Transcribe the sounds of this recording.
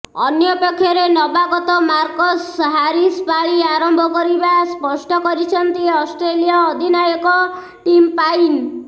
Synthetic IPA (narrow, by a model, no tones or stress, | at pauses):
ɔnjɔpekʰːjɔɾenɔbaɡɔt̪ɔmaɾkɔsɦaɾispaɭiaɾɔmbʱɔkɔɾibaspɔsʈɔkɔɾit͡ʃʰɔnt̪iɔsʈɾelijɔːd̪ʱinajɔkɔ | ʈimpain